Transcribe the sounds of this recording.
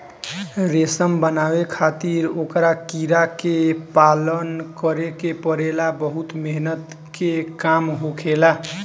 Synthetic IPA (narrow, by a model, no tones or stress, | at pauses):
ɾesəmbənawekʰat̪iɾokɾakiɾakepalənkəɾekepəɾelabəɦut̪meɦnət̪ | kekamɦokʰela